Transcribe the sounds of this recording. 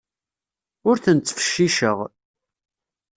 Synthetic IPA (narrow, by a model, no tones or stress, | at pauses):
ʊɾθənt͡sːə̥fə̥ʃːiʃəʁ